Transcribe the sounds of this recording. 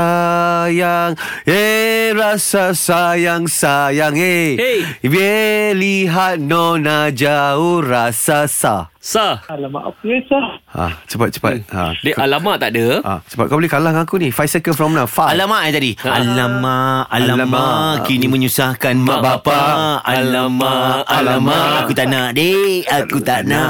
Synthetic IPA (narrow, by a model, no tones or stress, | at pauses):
ajaŋ | eɾasasajaŋsajaŋeebeliɦat̪̚nɔnad͡ʒaoɾasasasaalaa̰saa̰t͡ʃəpat̪̚t͡ʃə̥pa̰t̪̚a̰deʔalamaʔt̪aʔdəa̰t͡ʃə̥pat̪̚kablikalahŋãkunifajsəkəfɾɔmnafaalamaʔat̪adialamaalaamakinimə̃ɲusahkanmabapaalamaalamaakut̪aʔnaʔdeakut̪aʔnaʔ